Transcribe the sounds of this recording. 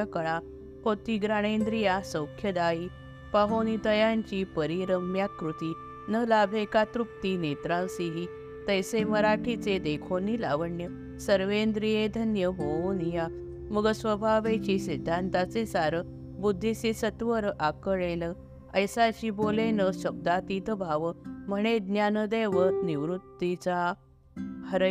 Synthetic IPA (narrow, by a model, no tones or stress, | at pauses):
əkəɭa | ɦot̪iɡɾaɽ̃end̪ɾijasə̃wkʰjəd̪ai | paɦonit̪əjãɲt͡ɕiːpəɾiɾəmjakɾut̪i | nəlabʱekat̪ɾuk̚t̪inet̪ɾalsiɦi | t̪əjseməɾaʈʰit͡sed̪ekʰonila̰ʋəɳjə | səɾʋend̪ɾijed̪ʱənjəbonija | məɡəsʋəbʱaʋet͡ɕisid̪ʱːant̪at͡sesaɾə | bud̪ʱːisisət̪ʋəɾʔakəɭelə | əjsaɕibolenəɕəb̚d̪at̪it̪əbʱaʋəməɽ̃ed̪njanəd̪eʋət̪niʋɾut̪ːit͡sa | həɾ